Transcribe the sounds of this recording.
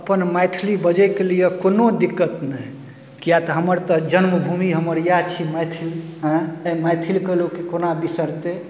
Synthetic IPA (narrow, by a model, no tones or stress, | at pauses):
əpənmajt̪ʰilibəd͡ʒɛkelijekonod̪ikːət̪nə | kijat̪ɔɦəməɾt̪əd͡ʒənməbʱumiɦəməɾjat͡ʃʰimat̪ʰilɦə̃majt̪ʰilkəlokikonabisəɾt̪e